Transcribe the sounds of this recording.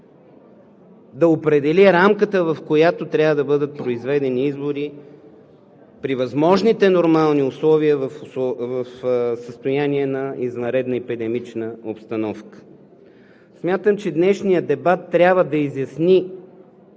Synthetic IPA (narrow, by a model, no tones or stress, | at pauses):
d̪ɐopɾɛd̪ɛlʲiɾamkət̪əvɐfkojat̪ot̪ɾʲjavəd̪ɐbɤd̪ət̪̚pɾoizvɛd̪ɛniizboɾi | pɾivɐzmɔʒnit̪ɛnoɾmalˠniʊslˠɔviəvəfʊvəfsəst̪ojaniɛnɐizvɐnɾɛd̪nəɛpid̪ɛmit͡ʃnəopst̪ɐnɔfkə̥ | smʲjat̪əmt͡ʃɛd̪nɛʃnijəd̪ɛbat̪ːɾʲabvəd̪ɐizjɐsni